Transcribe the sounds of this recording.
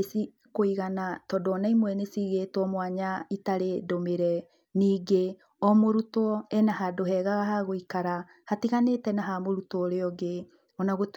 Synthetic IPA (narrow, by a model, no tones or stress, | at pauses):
esi | koiɣanatɔdɔnaimwɛnesiɣetwɔmwaɲaitaɾedomeɾɛ | niːɡe | ɔmoɾutɔɛnaɦadoɦɛɣaɣahaɣoikaɾa | hatiɣanetɛnaɦamoɾutɔɾeɔɡe | ɔnaɣot